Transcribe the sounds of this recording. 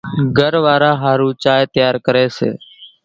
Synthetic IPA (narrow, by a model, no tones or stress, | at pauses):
ɡʱəɾʋaːɾaːɦaːɾũːt͡ʃaːet̪əjaːɾkəɾeːsḛː